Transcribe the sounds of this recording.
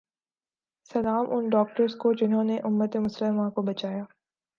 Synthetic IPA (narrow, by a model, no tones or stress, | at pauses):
sɐlaːmʔʊnɖɔːk̚ʈəɾskod͡ʒɪnɦõneʔʊmːət̪emʊslɪmãkobɐt͡ʃaːjaː